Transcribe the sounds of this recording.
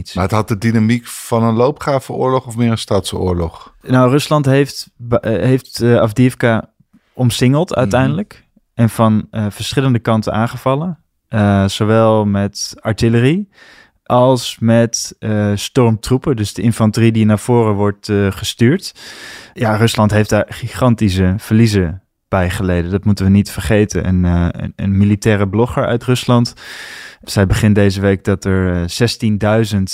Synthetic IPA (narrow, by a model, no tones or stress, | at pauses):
tmaətɦɑt̚dədinamikfɑnənlowpχaːvəʊ̰ːɹlɔχɔfmɪːɹənstaːtsʊ̰ːɹlɔχnawrøslɑntɦejftbɦejftafdɪfka | ʔɔmsɪŋəlˠtœ̰ɥtɛjndələk | ʔɛnfɑnfəɹsχɪləndəkɑntə̰nʔaːnχəvɑlə | sowʋɛlˠmɛtɑɹtɪləri | ʔɑlˠsmɛtstɔɹmtrupədɵsdəʔɪnfɑntəridinaːv̥oːrəʋɔɹtχəstyːɹt | jarɵslɑntɦejfdaːɹχiχɑntisəv̥əɹlizə | b̥ɛjχəlejdəndɑtmutənʋənitfəɹχejtə̰nʔə̰n̰ənmilitɛːrəblɔχəɹœ̰ɥtrɵslɑnt | z̥ɛjbəχɪndejzəʋejk̚dɑtɛɹz̥ɛstindœɥzənt